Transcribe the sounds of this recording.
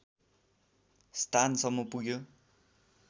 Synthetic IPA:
st̪ʰansʌmːopuɡjo

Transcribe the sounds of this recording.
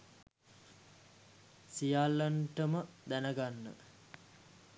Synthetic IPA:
sijalːəɳʈəməd̪ænəɡanːə̰

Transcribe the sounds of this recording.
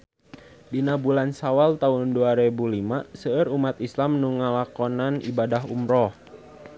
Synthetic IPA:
dinabulansawalt̪aʊnduaɾɛbulimasəːɾumat̪islamnuŋalakɔnanḭbadaɦumɾɔh

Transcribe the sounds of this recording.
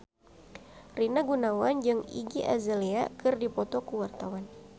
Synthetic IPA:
rinaɡunawand͡ʒɨŋḭɡiʔa̰zaleakɨrdipɔt̪ɔkuwart̪awan

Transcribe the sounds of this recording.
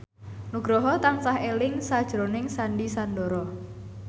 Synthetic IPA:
nuɡ̥ɾɔɦɔt̪aŋsahelɪŋsad̥ʒ̥ɾonɪŋsanɖisanɖɔɾɔ

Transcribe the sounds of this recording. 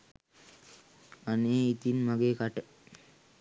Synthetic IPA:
aneːit̪inmaɡeːkaʈə

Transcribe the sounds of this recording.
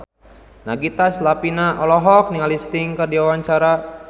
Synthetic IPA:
naɡit̪aslapinaʔɔlɔɦɔk̚niŋalist̪ɪŋkərdiawaɲt͡ʃaɾa

